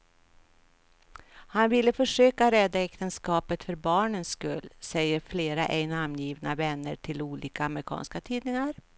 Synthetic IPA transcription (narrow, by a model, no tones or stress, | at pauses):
hanvɪlːəfœʂøːkaɾɛd̪ːaɛkt̪ənskɑːpət̪fœɾbɑːɳənskɵlːsɛjːəɾfleːɾaʔɛɪnamnjiːvnavɛnːəʈʰɪluːliːkaːmɾɪkʰɑ̰ːnskat̪ʰiːd̪nɪŋaɾ